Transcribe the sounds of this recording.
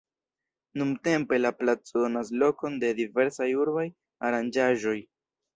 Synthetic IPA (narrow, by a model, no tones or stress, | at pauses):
numte̞mpe̞laplat͡soonas̬lo̞ko̞nde̞dive̞ɾsajuɾbaj | aɾand͡ʒaʒo̞j